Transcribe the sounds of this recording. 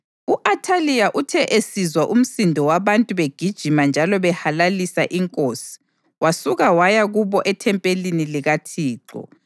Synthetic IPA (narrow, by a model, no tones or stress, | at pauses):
uʔatʰaliaʔutʰɛʔesizwaʔum̩sindʱɔwaβantʼuβeɡ̥ʱid̥ʒ̥ʱimand͡ʒʱalɔβɛhalalisa̰ʔiŋkʼoːsi̥ | wasuɣawajaɣuβɔʔɛtʰɛmpʼeliniliɣatʰiːǁɔ̰